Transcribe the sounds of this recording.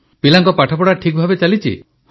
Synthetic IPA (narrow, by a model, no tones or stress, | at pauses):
pilaŋkɔpaʈʰɔpɔɽaʈʰik̚bʱabet͡ʃalit͡ʃʰḭ